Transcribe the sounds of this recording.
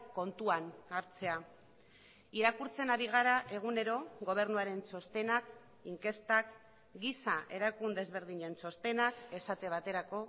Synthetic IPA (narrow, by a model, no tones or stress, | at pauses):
ko̞nt̪uanaɾt͡se̞a | iɾakuɾt͡se̞naɾiɣ̞aɾaʔe̞ɣ̞une̞ɾo̞ɣo̞β̞e̞ɾnuaɾe̞nso̞st̪e̞nak | iŋke̞st̪ak | ɡisaʔe̞ɾakund̪e̞zβe̞ɾðiɲe̞nso̞st̪e̞nake̞sat̪e̞β̞at̪e̞ɾako̞